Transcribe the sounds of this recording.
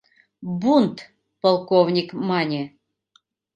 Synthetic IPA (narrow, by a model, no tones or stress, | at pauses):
bunt̪ | polˠkovnʲikmɑnʲe